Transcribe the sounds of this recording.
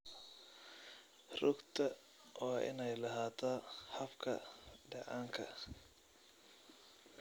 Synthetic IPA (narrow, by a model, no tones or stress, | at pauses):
rʊɡt̪ʰɐ | ɔːʔɪ̰nɛjlɐɦaːt̪ʰaːħɐfkʰɐ̰ɖɑʕaːŋkʰɐ̰